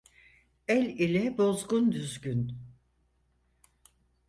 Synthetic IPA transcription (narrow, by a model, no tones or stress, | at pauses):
ɛlʲilʲɛbo̞zɡund̪yzɟyn